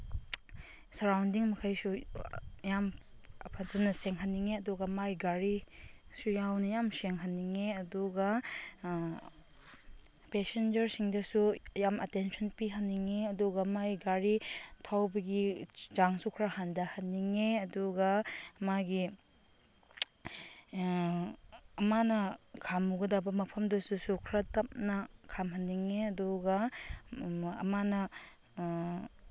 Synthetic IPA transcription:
sɐɾawndiŋmɐkʰajsu | jampʰansɐnɐseŋɦanːiŋeɐduɡɐmajɡaɾisujawnɐjamseŋɦanːiŋeɐduɡa | pesend͡ʒɐɾsiŋdɐsujamɐtensʰɔnpiɦanːiŋeɐduɡɐmajɡaɾitʰawbɐɡid͡ʒaŋsukʰɾahandɐhɐnːiŋeɐduɡɐmaɡi | ɐmanɐkʰamːuɡɐdabɐmɐpʰɐmdɐsusukʰɾatɐp̚nɐkʰamɦɐnːiŋeɐduɡɐ | ɐ̰manɐ

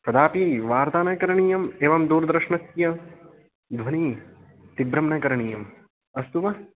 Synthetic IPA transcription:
pɾɐd̪aːpiʋaːɾt̪aːnɐkɐɾɐɳiːjɐmeːʋɐmd̪uːɾd̪ɾɐʃɳɐsjɐ | d̪ʱʋɐniː | t̪ibɾɐmnɐkɐɾɐɳiːjɐm | ɐst̪uʋɐ

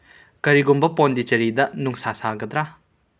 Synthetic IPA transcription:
kɐɾiɡumbɐpondit͡ʃɐɾidɐnuŋsasaɡɐd̪ɾa

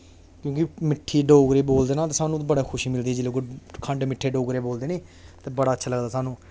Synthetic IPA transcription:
kjõːkimɪʈʰːiːɖoːɡɾeːboːld̪eːnaːt̪̬eːsaːnũːt̪ːbəɽaːkʰʊʃiːmɪld̪iːɛd͡ʒɪleːkokʰəɳɖmɪʈʰːeːɖoːɡɾeːboːld̪eːneː | t̪eːbəɽaːətːʃʰaːləɡd̪aːsaːnũː

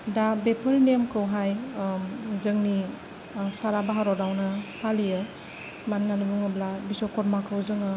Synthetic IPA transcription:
dabepʰɯlnemkʰɯwɦaj | zɯŋni | saɾabaɦaɾɔdawnɐpʰalijɯ | mannanubuŋɯblabisɔkɔɾmakʰɯwzɯŋɯ

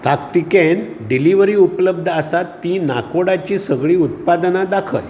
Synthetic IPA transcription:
t̪akt̪iken | ɖiliʋəɾiːupləb̚d̪ʱəəsat̪ːinakoɽat͡ɕiːsəɡɭiːut̪̚pad̪nad̪akʰə̰j

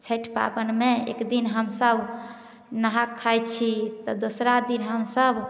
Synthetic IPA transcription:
t͡ʃʰəʈʰpa̰bənmeḛkd̪inɦəmsəb | nəɦakʰːajtt͡ʃʰit̪ɔd̪osɾad̪inɦəmsəb

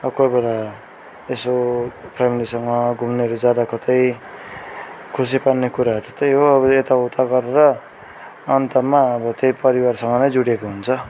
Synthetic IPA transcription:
ʌʌkobela | esopʰamilisʌŋʌɡʱumneʌɾud͡zjad̪akʌt̪ʌj | kʰus̬ipannekuɾat̪e̥t̪ejɦoʌbʌet̪aut̪ʰaɡʌɾeɾʌː | nt̪amːaʌbʌt̪ejpʌɾiwarsʌŋɡʌnʌjd͡zuɽekoɦunt͡sʰʌ

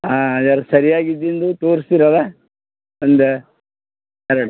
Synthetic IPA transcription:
aːdaɾɐsɐɾijaːɡid̪end̪ut̪oːɾsiɾɐd̪ɐ | ɐnd̪e | ɛɾɐɽu

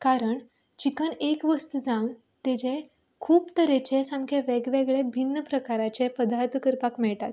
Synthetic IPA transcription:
kaɾəɳ | t͡ɕikənekʋəst̪ud͡zãwn | t̪ed͡ʑe | kʰuːpt̪əɾet͡ɕesãmkʰeʋɛɡʋɛɡɭebʱinːəpɾəkaɾat͡ɕepəd̪aɾt̪kəɾpakmɛɭʈa̰t̪

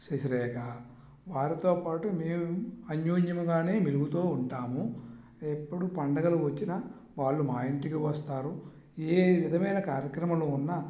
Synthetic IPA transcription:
sesɐɾɛːkaː | ʋaːɾit̪o̞ːpaːʈumeːmuuɐɲjoːɲjɐmuɡaːne̞ːmiluɡut̪oːuɳʈaːmu | epːuɽupɐɳɖɐɡɐluʋɐt͡ʃːinɐ | ʋaːɭːumaːjiɳʈikiʋɐst̪aːɾu | eːʋid̪ʱɐmɐjnɐkaːɾjɐkɾɐmɐluːnːɐ

